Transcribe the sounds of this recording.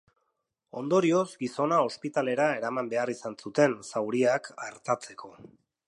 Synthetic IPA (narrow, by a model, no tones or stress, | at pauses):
o̞nd̪o̞ɾio̞zɡiso̞nao̞spit̪ale̞ɾae̞ɾamambe̞arisansut̪e̞nsawɾiakaɾt̪at͡se̞kʰo̞